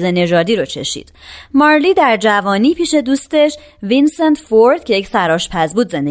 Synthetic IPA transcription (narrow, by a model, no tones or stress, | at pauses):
zene̞ʒɒːd̪iːɾot͡ʃʰe̞̰ʃḭd̪̥mɒɾliːd̪æɾd͡ʒævɒːniːpʰiːʃe̞d̪uːst̪e̞ʃ | vinsent̪foɾd̪cʰe̞je̞csæɾɒːʃpʰæzbuːd̪ze̞nd̪e